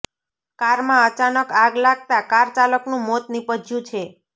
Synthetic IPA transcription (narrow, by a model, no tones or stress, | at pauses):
kaɾmãət͡ʃanəkaɡlaɡ̚t̪akaɾt͡ʃaləknũmot̪nipəd͡ʒʱjũt͡ʃʰe